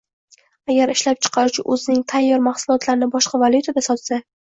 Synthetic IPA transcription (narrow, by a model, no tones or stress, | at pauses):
aɡʲaɾɪʃlap̚t͡ʃʰɨ̥qʰɑɾʊt͡ʃʰɪ̰ʔɵzɪnɪŋt̪ʰajːɒɾmaχsʊlˠɒt̪laɾɪnɪbɒʃqɑvalˠjut̪ʰad̪asɒt̪sa